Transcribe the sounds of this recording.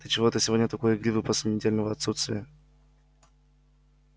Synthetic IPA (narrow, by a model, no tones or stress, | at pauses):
t̪ət͡ɕɪvot̪əsʲɪvo̞dʲnʲət̪ɐko̞jəɪɡɾʲivɨpəsʲlʲɪnʲɪdʲelʲnəvəɐt̪sut̪st̪vʲɪə